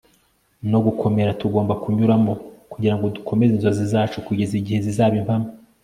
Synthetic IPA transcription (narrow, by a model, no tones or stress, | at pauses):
no̞ɡukʰo̞me̞ɾatuɡo̞ːmbakuɲuɾamo̞kuɟiɾaŋɡo̞dukʰo̞me̞zinzozizaːt͡ʃukuɟe̞ziɟihe̞zizaːβimpama